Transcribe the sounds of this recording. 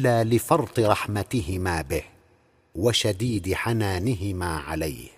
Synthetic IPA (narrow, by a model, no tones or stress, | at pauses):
lːaːlɪfɑɾˤt̪ˤɨɾˤɑħmat̪ɪhɪmaːbɪh | waʃad̪iːd̪ɪħanaːnɪɦɪmaːʕa̰lajh